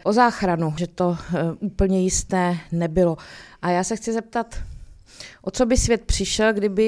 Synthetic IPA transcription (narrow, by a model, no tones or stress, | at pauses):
ʔozaːxɾanuʒɛt̪o̞ʔuːpl̩ɲɛjɪst̪ɛːnɛbɪloʔajaːsɛxt͡sɪzɛp̚t̪at̪ | ʔot͡so̞bɪsvʲjɛt̪̚pr̝̥ɪʃɛlɡdɪbɪ